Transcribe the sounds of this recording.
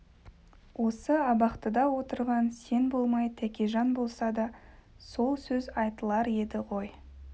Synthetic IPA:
wo̞səɑbɑqt̪əd̪ɑwo̞t̪əɾʁɑnse̞nbo̞lˠmɑjt̪ʰækʲeʒɑnbo̞lˠsɑd̪ɑ | so̞lˠsɵzɑjt̪əlˠɑɾe̞d̪ɪʁo̞j

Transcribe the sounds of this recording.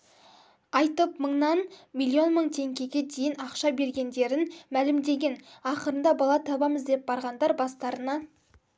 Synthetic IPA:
ɑjt̪əpməɴnɑnmilʲˠio̞nməɴt̪ʰe̞ŋkʲe̞ɡʲe̞d̪e̞jɪnɑqʃɑbe̞ɾɡʲe̞nd̪e̞ɾɪnmælɪmd̪e̞ɡʲe̞nɑqəɾənd̪ɑbɑlˠɑt̪ʰɑbɑməzd̪e̞p̚bɑɾʁɑnd̪ɑɾbɑst̪ɑɾənɑ

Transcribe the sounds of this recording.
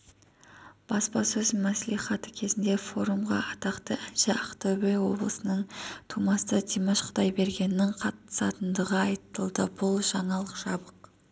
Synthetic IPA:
b̥ɑspɑsɵzmæsliχɑt̪əkʲʰe̞zɪnd̪e̞fo̞ɾumʁɑ̰ʔɑt̪ɑqt̪əænʃɪɑqt̪ɑbejwo̞̰blˠəsənəɴt̪ʰumɑst̪ət̪ʰijməʃqʰə̥t̪ɑjbe̞ɾɡʲe̞nɪnɪŋqʰɑt̪ːə̥sɑt̪ənd̪əʁəɑjt̪əlˠd̪əbʊlˠʒɑɴɑlˠəqʒɑbəq

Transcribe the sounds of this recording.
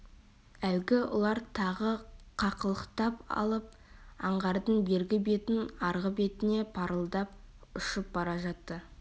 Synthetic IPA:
ælɡʲɪwʊ̰lˠɑɾt̪ʰɑʁəqʰɑqəlˠəqt̪ɑpɑ̰lˠəp̚ | ɑɴʁɑɾd̪əɴbe̞ɾɡʲɪbe̞t̪ɪnɑɾʁəbe̞t̪ɪne̞pʰɑɾəlˠd̪ɑp̚ʊʃəp̚bɑɾɑʒɑt̪ːə

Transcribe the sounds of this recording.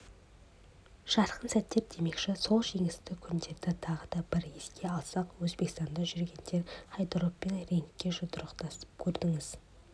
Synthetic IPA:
ʃɑɾqʰənsæt̪ːe̞p̚d̪e̞me̞kʃɪso̞lˠʒe̞ŋɪst̪ɪkʲʰʏnd̪e̞ɾd̪ɪt̪ʰɑʁəd̪ɑbɪɾeskʲe̞ɑlˠsɑqwɵzbe̞kst̪ɑnd̪ɑʒʏɾɡʲe̞nd̪e̞ɾχɑjd̪ɾoppe̞nɾe̞ŋkʲːe̞ʒʊd̪ʊɾəqt̪ɑsə̥p̚kʲʰɵɾd̪ɪŋɪz

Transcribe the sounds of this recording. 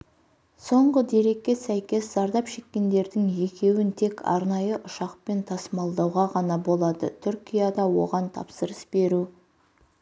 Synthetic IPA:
so̞ɴʁəd̪e̞ɾe̞kʲːe̞sæjkʲe̞szɑɾd̪ɑpʃe̞kʲːe̞nd̪e̞ɾd̪ɪŋje̞kʲe̞wɪnt̪ʰe̞kʰɑ̰ɾnɑjəʔʊʃɑqpe̞nt̪ʰɑsəmɑlˠd̪ɑwʁɑʁɑnɑbo̞lˠɑd̪ət̪ʰʏɾkʲijɑd̪ɑwo̞̰ʁɑnt̪ʰɑ̰psəɾəsb̥e̞ɾu

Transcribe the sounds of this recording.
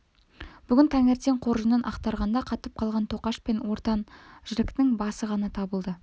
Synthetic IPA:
b̥ʏɡʲɪnt̪ʰæŋeɾt̪e̞ɴqʰo̞ɾʒənənʔɑ̰qt̪ɑɾʁɑnd̪ɑqʰɑt̪əp̚qʰɑlˠʁɑnt̪ʰo̞qɑʃpenwo̞ɾt̪ɑnʒ̥ɪɾɪkt̪ɪŋbɑsəʁɑnɑt̪ʰɑbəlˠd̪ə

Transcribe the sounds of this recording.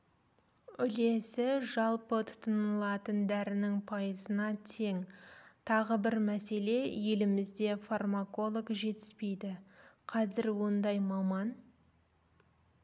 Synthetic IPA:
ʏle̞sɪʒɑlˠpət̪ʰʊ̥t̪ənəlˠɑt̪ənd̪æɾɪnɪŋpʰɑjəzənɑt̪ʰe̞ŋt̪ʰɑʁəbɪɾmæse̞le̞je̞lɪmɪzd̪e̞farmako̞lˠokʒe̞t̪ɪ̥spe̞jd̪ɪqʰɑzɪɾwo̞nd̪ɑjmɑmɑn

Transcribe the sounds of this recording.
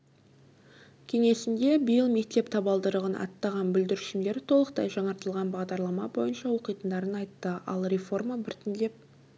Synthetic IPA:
kʲʰe̞ŋe̞sɪnd̪e̞bəjəlˠme̞k̚t̪e̞pt̪ʰɑbɑlˠd̪əɾəʁənʔɑ̰t̪ːɑʁɑnbʏld̪ɪɾɪʃɪmd̪e̞ɾt̪ʰo̞lˠəq̚t̪ɑjʒɑɴɑɾt̪əlˠʁɑnbɑʁd̪ɑɾlˠɑmɑbo̞jənʃɑwo̞qijt̪ənd̪ɑɾənɑjt̪ːəɑ̰lˠɾʲe̞fo̞rmabɪɾt̪ʰɪnd̪e̞p̚

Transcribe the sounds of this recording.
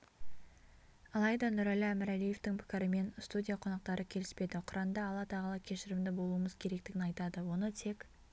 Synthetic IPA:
ɑlˠɑjd̪ɑnʊɾælæmɪɾælije̞ft̪ɪŋpʰɪ̥kʲɪɾɪme̞nst̪udʲijaqʰo̞nɑq̚t̪ɑɾʔəkʲʰe̞lɪspe̞d̪ɪqʰʊɾɑnd̪ɑːlˠɑt̪ʰɑʁəlˠɑkʲʰe̞ʃɪɾɪmd̪ɪbo̞lˠuəməzkʲʰe̞ɾe̞k̚t̪ɪɡʲɪnɑjt̪ɑd̪əwo̞nət̪ʰe̞kʲ

